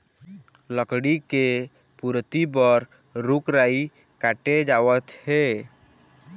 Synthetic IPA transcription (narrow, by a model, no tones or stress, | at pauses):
ləkɽike | puɾt̪ibəɾ | ɾukɾaːi | kaːʈed͡ʒaːwət̪he